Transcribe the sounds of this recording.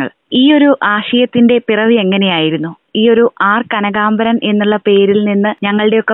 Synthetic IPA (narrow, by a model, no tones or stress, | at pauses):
ɐ̰ɭ | iːo̞ɾuʔaːɕɐjɐt̪ːinde̞pirɐʋie̞ŋːɐne̞jaːjiɾunːu | iːo̞ɾuʔaːrkɐnɐɡaːmbɐɾɐnʔe̞nːuɭːɐpe̞ːɾilninːɨɲɐŋːɐɭɨɽe̞o̞kːe